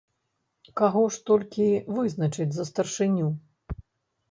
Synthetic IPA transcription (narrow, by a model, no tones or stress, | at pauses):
kaɣɔʂt̪ɔlʲkʲivɨznɐt͡ʂɨd͡zʲzɐst̪ɐrʂɨnʲu